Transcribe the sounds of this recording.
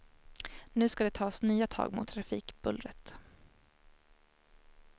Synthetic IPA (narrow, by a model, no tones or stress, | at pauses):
nʉ̟ːskad̪ɛt̪ʰɑːsnyːat̪ʰɑ̰ːɡmʊ̰t̪ʰːɾafiːkb̥ɵlɾət̪